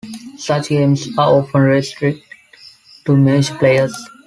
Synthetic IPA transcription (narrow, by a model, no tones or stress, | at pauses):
sʌt͡ʃɡẽːmzaːɾoːfə̃nɾɪsʈɾɪk̚ʈ | ʈːumɛd͡ʒpleːəɾz